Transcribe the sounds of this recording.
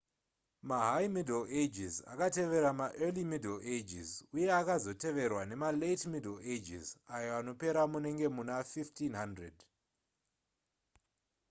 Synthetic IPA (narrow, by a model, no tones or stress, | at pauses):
maɦajmideled͡ʒiza̰kate̞ʋe̞ɾamaʔelimideled͡ʒḭzuje̞akazo̞te̞ʋe̞rwane̞maletmideled͡ʒḭzajo̞ano̞pe̞ɾamune̞ŋɡe̞munafiftinɦandred